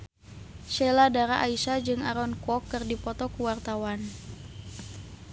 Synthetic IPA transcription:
ʃɛladaɾaʔaisad͡ʒɨŋaɾɔnkɔkːɨrdipɔt̪ɔkuwart̪awan

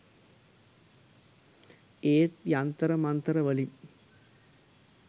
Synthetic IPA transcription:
eːt̪jant̪ɐɾɐmɐnt̪ɾɐʋɐlim

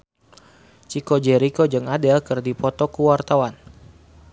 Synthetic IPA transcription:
t͡ʃikɔd͡ʒɛɾikɔd͡ʒɨŋadɛlkɨrdipɔt̪ɔkuwart̪awan

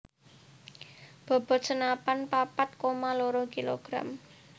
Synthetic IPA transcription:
b̥ɔ̤b̥ɔ̤sənapanpapat̪̚komaloɾɔkilo̰ɡ̥ɾa̰m

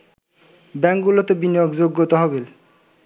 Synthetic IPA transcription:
bɛŋɡulot̪ebinijokd͡ʑoɡːot̪oɦɔβel

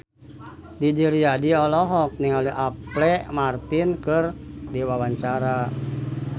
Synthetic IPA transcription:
did͡ʒiɾiadiɔlɔɦɔk̚niŋaliʔaplɛmart̪inkɨrdiwawaɲt͡ʃaɾa

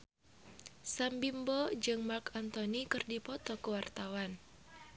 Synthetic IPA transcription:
sambimbɔd͡ʒɨŋmarkant̪ɔnikɨrdipɔt̪ɔkəwart̪awan

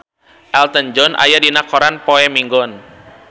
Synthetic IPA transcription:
ʔɛlt̪ənd͡ʒɔnʔa̰jadinakɔɾanpɔɛmiŋɡɔn

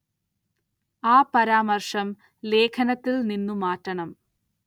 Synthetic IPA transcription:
aːpɐɾaːmɐrʂɐm | le̞ːkʰɐnɐt̪ːilninːumaːtːɐɳɐm

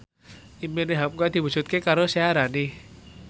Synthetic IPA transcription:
imeneɦam̚kujad̪̥i̤wu̥d͡ʒ̥ṳt̪̚kekaɾoseaɾani

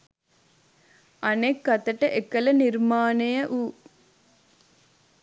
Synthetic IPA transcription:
ɐnekːɐt̪ɐʈəʔekɐlɐniɾmaːnejəʔuː

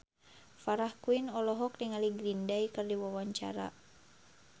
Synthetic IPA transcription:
faɾahkuinɔlɔɦɔk̚diŋaliɡɾindaikɨrdiwawaɲt͡ʃa̰ɾa̰

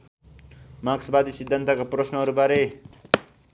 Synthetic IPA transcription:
maksbad̪isid̪ʱːant̪akaprʌsnʌʌɾubaɾe

